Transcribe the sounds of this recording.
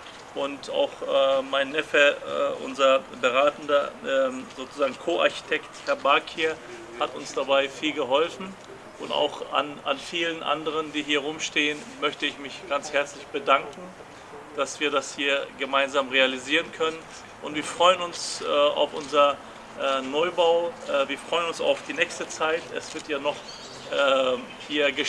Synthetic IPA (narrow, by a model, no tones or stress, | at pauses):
ʔʊnta̰ʊxʔɛːmaɪnːɛfɛɛ̰ʔʊ̰nzɐbəʁaːtn̩dɐʔɛzoːt͡suzaːɡŋ̩kʰoːʔa̰ɐçi̥tʰɛkthɛɐbaɐkʰiːɐ | hatʊnsd̥abaɪfiːlɡəɦɔlfn̩ | ʔʊnta̰ʊxa̰na̰nfiːlənʔa̰ndəʁ̞əndiːɦiːɐʁʊmʃteːən | mœçtəɪçmɪçɡ̥ant͡shɛɐt͡slɪçb̥ədaŋkŋ̩ | d̥asv̥iːɐdashiːɐɡəmaɪnzaːmʁealiziːʁənkʰœnən | ʔʊntv̥iːɐfʁ̥ɔʏənʊnsʔɛːa̰ʊfʔʊnzɐ | ʔɛːnɔʏbaʊɛviːɐfʁ̥ɔʏənʊnsa̰ʊfd̥iːnɛːçstət͡saɪtɛ̰sv̥ɪɐtʰjaːnɔχ | ʔɛː | hiːɐɡə